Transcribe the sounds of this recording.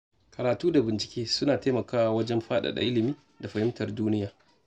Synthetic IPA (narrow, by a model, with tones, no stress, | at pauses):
kɐ˨ɾaː˨tuː˦da˨bɪ˨nt͡ʃɪ̥˨kʲeː˦sʊ˦naː˨te˦mɐ˨kaː˦wwɐ˦d͡ʒɛ˦mɸaː˦ɗa̰˨ɗa̰˨ʔɪ˦lɪ˨miː˦ | da˨ɸɐ˨hɪ˦mtɐ˨rduː˦nɪ˦jaː˨